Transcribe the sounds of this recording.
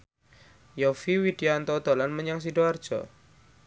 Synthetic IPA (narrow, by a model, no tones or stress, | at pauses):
jɔfiwid̥iant̪ɔd̪̥o̤lanməɲaŋs̬iɖoard̥ʒ̥ɔ̰